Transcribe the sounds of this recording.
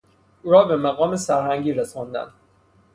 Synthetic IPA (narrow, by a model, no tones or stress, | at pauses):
ʔuːɾɒːbe̞mæɣɒːme̞sæɾhæŋɟiːɾesɒnd̪æ̰nd̪̥